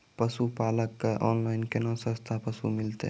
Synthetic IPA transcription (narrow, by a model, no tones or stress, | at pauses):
pəsupaləkːeʔɔnlaɪnkenɔ̃sə̃st̪ʰapəsṵmilt̪ḛ